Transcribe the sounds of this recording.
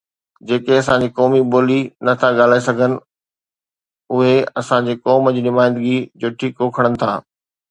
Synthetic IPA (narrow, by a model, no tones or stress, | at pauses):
d͡ʑeːkeɐsã̆d͡ʑiːkɔːmiɓoːlinɐt̪ʰaɠaːlaːesɐɡʱənɪ̆ | ʊɦeɐsãɲd͡ʑeːkɔːmd͡ʑiːnʊmaːɪ̃nd̪əɡid͡ʑʊʈʰikoːkʰəɽ̃ənɪ̆t̪ʰa̰ː